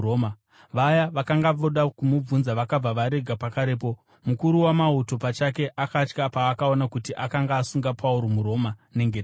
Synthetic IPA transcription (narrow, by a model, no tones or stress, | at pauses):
oma | ʋajaʋakaŋɡaʋoɗakumub͡vunzaʋakab͡vaʋaɾe̞ɡʱapakaɾe̞ːp̬o̞ | mukuɾuwamauto̞pat͡ʃake̞ʔakat͡ʃkapaːkao̞nakutiʔakaŋɡaːsuŋɡapʰauɾomuɾo̞mane̞ŋɡet